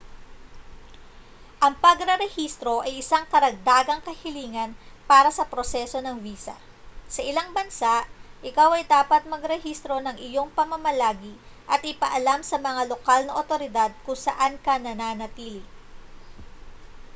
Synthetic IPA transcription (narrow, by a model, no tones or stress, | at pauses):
ʔɐŋpɐɡɾɐɾɛhist̪ɾo̞ʔɐjʔɪsaŋkɐɾɐɡ̚d̪aːɡɐŋkɐhɪliːŋɐnpaːɾɐsɐpɾo̞sɛso̞nɐŋviːsɐ̰ | sɐʔɪlaŋbɐnsaʔʔɪkawɐjd̪aːpɐt̪̚mɐɡɾɛhist̪ɾo̞nɐŋʔɪjo̞ŋpɐmɐmɐlaːɡi | ʔɐt̪̚ʔɪpɐʔɐlamsɐmɐŋalo̞kalnɐʔot̪o̞ɾɪd̪ad̪̚kʊŋsɐʔankɐnɐnaːnɐt̪iːlɪ